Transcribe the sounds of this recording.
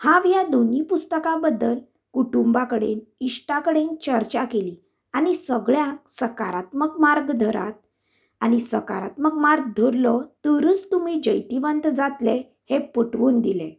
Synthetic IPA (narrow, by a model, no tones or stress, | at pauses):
hãʋjad̪onipust̪əkãbəd̪ːəl | kuʈumbakəɽḛniʂʈakəɽent͡ɕəɾt͡ɕakeli | anisəɡɭjãksəkaɾat̪məkmaɾɡd̪ʱəɾa̰t̪̚ | añisəka̰ɾa̰t̪məkmaɾɡ̚d̪ʱoɾlɔt̪əɾuːt͡st̪umid͡ʑəjt̪iʋənt̪d͡zat̪le | hepəʈʋuːnd̪ilḛ